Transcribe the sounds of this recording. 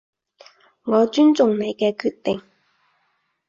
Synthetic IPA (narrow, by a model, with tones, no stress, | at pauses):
ŋɔː˨˧t͡ʃyː˥nt͡sʊ˨ŋne˨˧jkɛː˧kʰyː˧t̚t̪ɪ˨ŋ